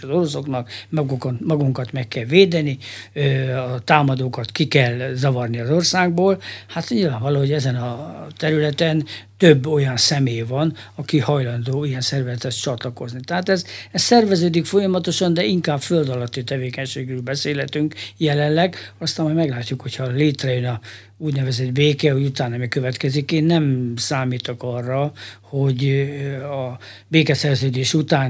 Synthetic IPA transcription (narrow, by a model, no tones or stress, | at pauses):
ɒzo̞ɾo̞so̞knɒkmɒɡukt̪mɒɡuŋkɒt̪mɛkːɛlveːd̪ɛniøɒt̪aːmɒd̪oːkɒt̪kikɛlzɒvɒrniɒzorsaːɡ̚boːlhat̪ɲilvaːɱvɒloːɦoɛzɛnɒt̪ɛɾylɛt̪ɛnt̪ø̞bːo̞jɒnsɛmeːjvɒnɒkihɒjlɒnd̪oːijɛnsɛrvɛzɛt̪ɛst͡ʃɒt̪lɒko̞znit̪ɛɦaːt̪ɛzɛssɛrvɛzøːd̪ikfo̞jɒmɒt̪o̞ʃɒnd̪ɛiŋkaːbføld̪ɒlɒt̪ːit̪ɛveːkɛɲʃeːɡrøːlbɛseːlhɛt̪yŋkjɛlɛnlɛɡɒst̪aːmɔjmɛɡlaːcːukho̞cʰhɒleːt̪rɛjønɒ | uːɟnɛvɛzɛd̪beːkɛujut̪aːnːɒmikøvɛt̪kɛzikeːnːɛmsaːmiːt̪okɒrːɒho̞ɟ | ɒbeːkɛsɛrzøːd̪eːʃut̪aːn